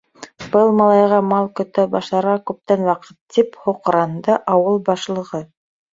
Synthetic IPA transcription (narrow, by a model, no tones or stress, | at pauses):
b̥ɤlˠmɑlˠɑjʁɑmɑlˠkɵ̆t̪æbɑʃlˠɑɾʁɑkʉp̚t̪ænwɑqɤ̥t̪ːiphŏqɾɑnd̪ɤʔɑwɤlˠbɑʃlˠɤ̆ʁɤ